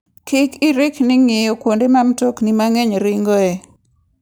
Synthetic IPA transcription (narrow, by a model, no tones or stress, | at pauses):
kɪkɪɾɪknɪŋɪjokwondemamtoknimaŋeɲɾɪŋɡoe